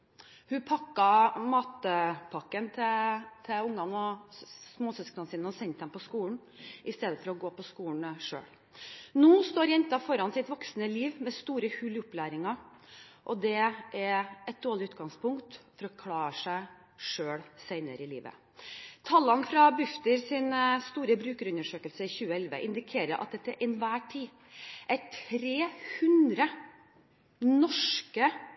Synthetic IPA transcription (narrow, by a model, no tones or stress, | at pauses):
hʉpʰɑkːɑmɑːt̪əpʰɑkːənt̪ʰɛt̪ʰɛʊŋdɑnɔsmoːsœsknənsiːnɔsɛnt̪d̪ɛmpɔskuːlɳ̩ | ʔɪst̪eːd̪əfɔɾɔɡoːpɔskuːn̩ʂø̰ːɽ | noːst̪oːɾjɛnt̪ɑfɔɾɑnsɪt̪ʋɔksnəliːʋmɛst̪uːɾəhʉlʊplæːɾɪŋɑ | ʔɔd̪ɛæɾɛt̪̚d̪oːɭɪʉːt̪̚ɡɑŋspʰʊŋkt̪fɔɾɔkʰlɑːəʂæɪ | ʂøːɽseɪnə̰ɾəɪlḭːʋə̰ | t̪ʰɑlːɑnfɾɑbʉft̪əɾsɪnst̪uːɾəbɾʉːkəɾʉnəʂøːkəlsəɪçʉːəɛlʋə̰ʔɪnd̪ɪkʰeːɾə̰ɾʔɑ̰t̪̚d̪ɛt̪ːæɾʔɪnʋæːʈʰiː | ʔæʈʰɾeːhʉnd̪ɾə | nɔʂkə